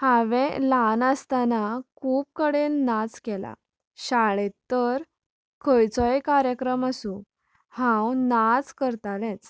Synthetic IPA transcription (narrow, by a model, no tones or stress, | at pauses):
haʋɛ̃lanəst̪anakʰuːp̚kəɽeːat͡skɛla̰ | ɕaɭet̪ːəɾ | kʰəjt͡sɔekaɾjəkɾəmasũ | hãwnat͡skəɾt̪alɛ̃t͡s